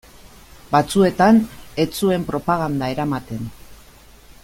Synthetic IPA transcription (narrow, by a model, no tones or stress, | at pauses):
bat͡sue̞t̪ane̞t͡sue̞mpɾo̞paɣ̞and̪ae̞ɾamat̪e̞n